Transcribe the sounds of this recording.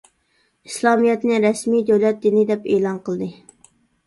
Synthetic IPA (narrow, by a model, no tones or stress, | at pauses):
islˠɑmijɛt̪nɨɾɛsmid̪ɛwlɛt̪̚d̪ɪnɪd̪ɛpeːlˠɑnqʰəlˠɨd̪ɨ